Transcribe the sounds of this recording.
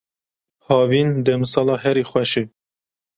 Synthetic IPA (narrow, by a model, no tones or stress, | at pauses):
hɑːviːnd̪ɛmsɑːlɑːɦɛɾiːxʷɛʃe